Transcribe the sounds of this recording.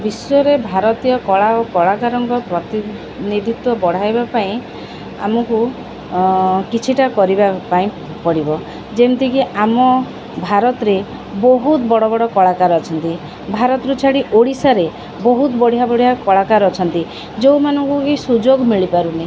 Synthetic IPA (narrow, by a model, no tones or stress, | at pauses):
bisɔɾebʱaɾɔt̪ijɔkɔɭaokɔɭakaɾɔŋkɔpɾɔt̪i | nid̪ʱit̪wɔbɔɽ̤ajbapaĩ | a̰mɔku | kit͡ʃʰiʈakɔɾibapaĩ | pɔɽibɔ | d͡ʒemt̪ikiʔamɔ | bʱaɾɔt̪ɔɾe | bɔɦut̪bɔɽɔbɔɽɔkɔɭakaɾɔːt͡ʃʰɔnt̪i | bʱaɾɔt̪ɔɾut͡ʃʰaɽiʔoɽisaɾe | bɔɦut̪ɔbɔɽ̤ijabɔɽ̤ijakɔɭakaɾɔt͡ʃʰɔnt̪i | d͡ʒewmanɔŋkukisud͡ʒoɡmiɭipaɾuni